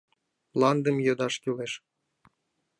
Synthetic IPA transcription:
lˠɑnd̪əmjod̪ɑʃkʲyleʃ

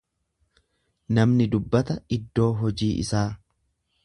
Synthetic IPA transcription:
nɐmnɪd̪ʊbːɐt̪ɐɪd̪ːo̞ːɦɔd͡ʒiːʔɪ̰saː

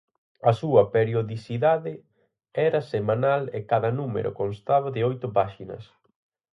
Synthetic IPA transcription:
ɐsuɐpeɾjoðisiðaðɪ | ɛɾɐsemãnalekaðɐnumḛɾʔʊ̰konst̪aβɐðɪojt̪ʊpaʃinɐ̰s

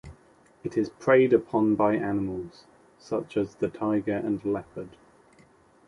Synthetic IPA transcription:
ɪtʰɪz̥pʰɹ̥eɪdəpʰɒ̃nbaɪʔanɪməlˠz̥ | sʌt͡ʃəzðətʰaɪɡəɹʔə̃nlɛpʰəd̥

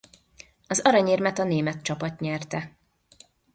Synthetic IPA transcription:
ɒzɒɾɒɲeːrmɛt̪ɒneːmɛt̪t͡ʃɒpɒt̪ɲɛrt̪ɛ

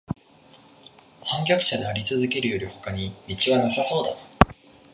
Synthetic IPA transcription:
hãŋkʲakɯ̟̥ɕad̪e̞aɾʲit͡sɨzɨke̞ɾɯ̟jo̞ɾʲiho̞kaɲ̟imʲit͡ɕiβanasaso̞ːd̪a

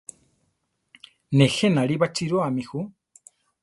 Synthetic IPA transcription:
nɛxɛnaɺiβat͡ʃiɾoamixu

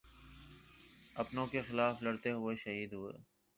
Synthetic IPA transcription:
ɐpnõːkexɪlaːflɐɽt̪eɦʊeʃəɦiːd̪ɦʊḛː

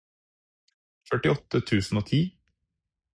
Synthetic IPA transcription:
ffœʈɪɔt̪ət̪ʰʉːsn̩oːt̪ʰiː

